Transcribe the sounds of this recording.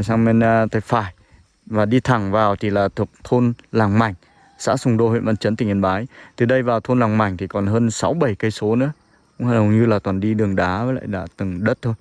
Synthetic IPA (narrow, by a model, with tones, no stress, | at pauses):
saː˧ŋme˧n˧t̪ʰa˧˩jfaː˧˩j | vaː˨˩ɗi˧t̪ʰa˨˩ŋvaː˨˩wt̪ʰi˨˩laː˨˩t̪ʰu˨˩ək̚t̪ʰo˧nlaː˨˩ŋma˨˩jŋ̟ | sa̰ː˧˥sʊ˧wŋ͡mɗo˧hwḛ˧˨nmaə˧nt͡ɕə˨˦nt̪ï˨˩ŋ˨ə˧nɓaː˨˦jt̪ʰɨ˨˩ɗə˧jvaː˨˩wt̪ʰo˧nlaː˨˩ŋma˨˩jŋ̟t̪ʰi˨˩kɔ˨˩nɦəː˧nsa˨˦wɓə˨˩jkə˧jso˨˦nɨ̰˧˥ə | kʊ̰˧˥ŋ͡mhaː˧˩nhə˨˩wɲɨ˧laː˨˩t̪waː˨˩nɗi˧ɗɨ˨˩əŋɗaː˨˦və˨˦la̰ː˧˨jɗa̰ː˧˥t̪ɨ˨˩ŋɗə˦˥t̚t̪ʰo˧j